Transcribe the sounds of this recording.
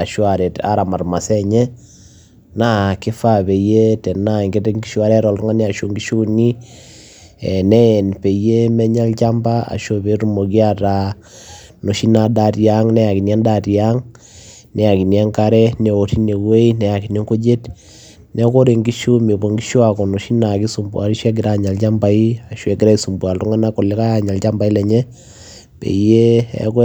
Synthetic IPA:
a˨ʃwa˨ɾɛ˨ta̰˨ɾa˨ma˨ɾma˨sɛ˦ɲɛ˦ | na˦kɪ˦fa˦pe˨je˦tɛ˨na˦˨ŋɡe˦te˦ŋɡi˦ʃwa˦ɾɛ˦ɾɔ˨ltɔ˦ŋa˦ni˦a˨ʃo˨ŋɡi˦ʃu˦ni˦ | ɛ˨nɛ˦˨npe˨je˦mɛ˦ɲa˦lt͡ʃa˦mba˦a̰˨ʃo˦βe˦ɾu˦mo˨ɡi˦a˦ta˨ | no˨ʃi˦na˨da˦ti˨a˦ŋnɛ˦ja˨ki˨nja˦nda˦˨ti˨a˦ŋ | nɛ˨ja˨ki˨nja˦ŋka˦ɾɛ˦nɛ˨o˨ti˦ne˨we˦i˦nɛ˨ja˨ki˨ni˦ŋko˦d͡ʒe˦t | nɛ˨˦ko˦ɾe˨ŋɡi˦ʃo˦me˨bo˨ŋɡi˦ʃo˦a˨kɔ˨no˨ʃi˦na˨ki˦su˨mbu˨a˨ɾi˦ʃɛ˦ɡ̬i˨ɾa˦˨ɲa˨lt͡ʃa˦mba˨i˦a˨ʃwɛ˨ki˦ɾa˦i˨su˨mbu˨a˨ltɔ˦ŋa˦na˦kɔ˨lɛ˦ka˦a˨ɲa˨lt͡ʃa˦mba˨i˦lɛ˨ɲɛ˦ | pḛ˨je˦ɛ̰˦k

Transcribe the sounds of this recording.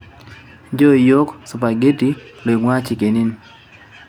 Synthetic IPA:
d͡ʒɔ˦˨jo˦ksʊ˨pa˨ɡe˦ti˦lo˨i˨ŋwa˦t͡ʃi˨ke˨ni˦n

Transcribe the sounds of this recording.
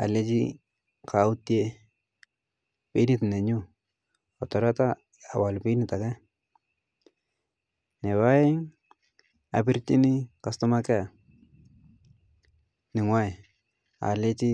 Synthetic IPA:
a̰˨le˦t͡ʃḭ˦ | kʰaʊ˦tje | pi˦nɪtnɛ˨ɲʊ˦ | ɔ˨tɔ˨ɾa˦taː˦˨ | wa˨lpi˦nɪta˨kɛ˦ | nɛ˨βa˦ɪ˦ŋ | a̰pɪ˦rt͡ʃi˦nɪ˦ka˨stʊ˦ma˦kɛ˦˨ | nɪ˨ŋwa˦j | a̰˨le˦t͡ʃi˦

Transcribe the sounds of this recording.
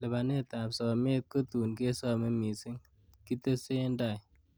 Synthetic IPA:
lɛ˨ba˨ne˦ta˨psɔ˨me˦t̚ko˦tu˨nke˦sɔ˨me˦mi˨si˦ŋ | ki˦te˦se˦nda˨j

